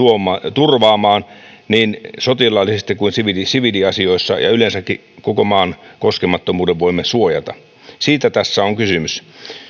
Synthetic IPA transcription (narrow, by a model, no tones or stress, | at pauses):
uomˑɑt̪urʋɑːmɑːn | niːnsot̪ilɑlːisest̪ikuinsiʋidisiʋidiɑsioisːɑ̰jɑ̰ylensækːi | kokomɑːnkoskemɑt̪ːomuːdeʋʋoimːesuojɑt̪ɑ̰ | siːt̪æt̪æsːæoŋkysymys